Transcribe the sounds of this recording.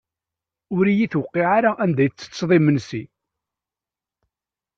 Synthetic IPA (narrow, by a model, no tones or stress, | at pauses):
ʊɾijiθwəqːiʕaɾaʔænd̪æjt͡sːə̥t͡sːðˤimənsi